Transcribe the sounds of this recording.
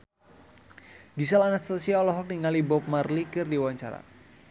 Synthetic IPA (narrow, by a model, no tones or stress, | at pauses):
ɡisalanat̪st̪asiaɔlɔɦɔk̚niŋalibɔp̚marlikɨrdiwaɲt͡ʃaɾa̰